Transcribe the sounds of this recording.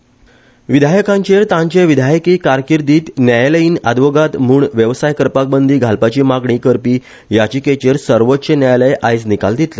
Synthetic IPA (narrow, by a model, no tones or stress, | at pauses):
ʋid̪ʱajkãɲt͡ɕeɾt̪ãɲt͡ɕeʋid̪ʱajkikaɾkiɾd̪iːt̪njajləiːna̰d̪ʋoɡat̪m̤uːɳʋjəʋsajkəɾpak̚bənd̪iːɡʱalpat͡ɕiːmaɡɳiːkəɾpiː | jat͡ɕiːket͡ɕeɾsəɾʋot̪ːɕenjajləjʔajt͡snikald̪it̪le